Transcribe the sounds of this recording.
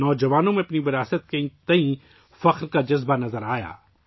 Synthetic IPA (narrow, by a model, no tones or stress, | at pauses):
nɔːd͡ʒɐʋaːnõmẽɐpniʋɪɾaːsət̪̚keĩt̪ɐĩ | fɐqɾkad͡ʒɐzbanɐzəɾaːja̰ː